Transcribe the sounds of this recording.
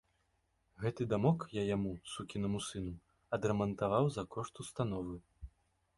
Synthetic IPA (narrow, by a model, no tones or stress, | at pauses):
ɣɛt̪ɨd̪amɔkjajamusukʲinɐmusɨnu | ɐd̪ɾɛmɐnt̪avawzɐkɔʂt̪ust̪an̪ɔvɨ